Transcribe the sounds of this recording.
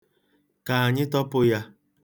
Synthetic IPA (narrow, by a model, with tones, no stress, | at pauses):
ka˨a˨ɲɪ˦tɔ˦pʊ˦ja˦